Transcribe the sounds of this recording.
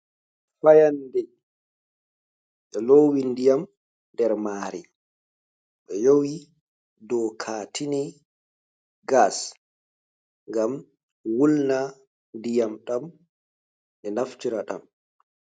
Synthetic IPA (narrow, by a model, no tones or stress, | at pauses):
fajandɛ | ɓɛlowindijam | ndɛɾmaːɾi | ɓɛjowi | dɔkʰaːtʰini | ɡas | ŋɡam | wulna | ndijamɗam | ɓɛnaftiɾaɗa̰m